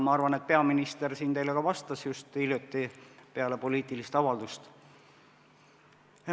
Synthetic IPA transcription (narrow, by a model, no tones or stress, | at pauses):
mɑɑrvɑne̞t̪̚pe̞ɑminist̪ersiːnt̪e̞jle̞ɡ̥ɑvɑst̪ɑsjust̪iljut̪ːˑipeɑle̞po̞liːt̪ˑilist̪ɑvɑld̪ust̪